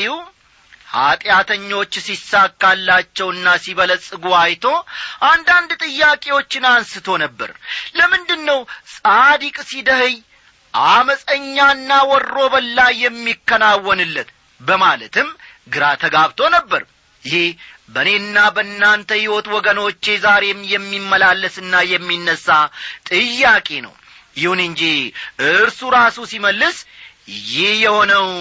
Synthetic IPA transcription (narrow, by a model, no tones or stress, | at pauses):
w | ha̰t̪ʼjat̪ʰəɲːo̞t͡ʃːsisːakʼːalːat͡ʃːɛwɨnːasiβələsʼɨɡuajt̪ʰo̞ʔand̪and̪t̪ʼɨjːakʼe̞wo̞t͡ʃːɪnansɨt̪ʰo̞nəbːə̰ɾləmɨnd̪ɨnːəwsʼad̪ikʼsid̪əhɨj | ʔaməsʼəɲːaɨnːawɔrːo̞bəlːajːɛmːikːənawːɔnɨlːət̪ | bəmalət̪ɨm | ɡɨɾat̪ʰəɡaβt̪ʰo̞nəbːəɾ | jɪhe | bəne̞ɨnːabəɨnːant̪ʰəhiwɔt̪wɔɡəno̞t͡ʃːe̞zaɾe̞mjɛmːimːəlalːəsɨnːajɛmːinːəsːat̪ʼɨjːakʼe̞nə̰w | jɪhunɨɲd͡ʒiʔɨɨɾsuɾasusiməlːɨs | jɪhjɛho̞nəw